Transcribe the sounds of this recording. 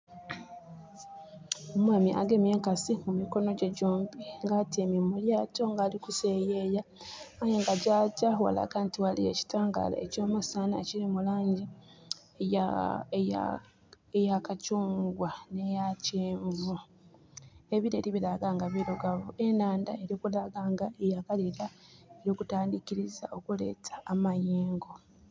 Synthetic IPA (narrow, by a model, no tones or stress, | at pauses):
omwaːmiʔa̰ɡe̞mje̞ːŋkasimumiko̞no̞ɟeɟoːmbiŋɡaːtememuljaːto̞ŋɡaːlikuse̞jejaajeŋɡaɟaːɟawa̰la̰ɡaːntiwaliḛci̥taːŋɡa̰la̰eco̞ːmusanaecilimulaːɲɟi | a̰ | ejakacuːŋɡwane̞jaceːɱvu | e̞βiɾe̞ːliβilaɡaːŋɡaβeɾoɡaβue̞naːndae̞ɾjoːkulaɡaːŋɡaejaɡaliɾaeɾjoːkutaːndikiɾiza̰ʔo̞kule̞̰ːtḁːmajeːŋɡo̞